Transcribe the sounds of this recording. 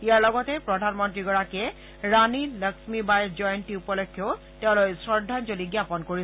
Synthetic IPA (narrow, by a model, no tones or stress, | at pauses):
ijaɹlɔɡɔtɛpɹɔdʱanmɔntɹiɡɔɹakɛ | ɹaniləksmibajzɔjntiupɔlɔkʰːjɔ | tɛʊ̃lojsɹɔɹdʱanzoliɡjapɔnkoɹi